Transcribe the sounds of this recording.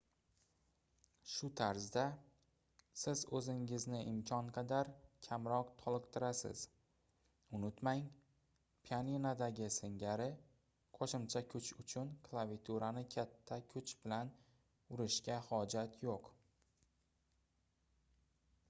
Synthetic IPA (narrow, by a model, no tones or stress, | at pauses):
ʃʊt̪ʰaɾzd̪a | sɪzɵzɪŋɪznɪʔɪmkʲʰɒnqʰɑd̪aɾkʲʰamɾɒqt̪ʰɒlˠɨqt̪ʰɪɾasɪ̰z̥ | ʊnɪt̪maŋ | pʰianinad̪aɡʲɪsɪŋɡʲaɾɪ | qʰɒʃɪmt͡ʃʰakʲʰʊt͡ʃʊt͡ʃʰʊnkʰlˠavit̪ʰuɾanɪkʲʰat̪ʰːakʲʰʊt͡ʃbɪlan | ʊɾɪʃkʲahɒd͡ʒat̪ʰjoq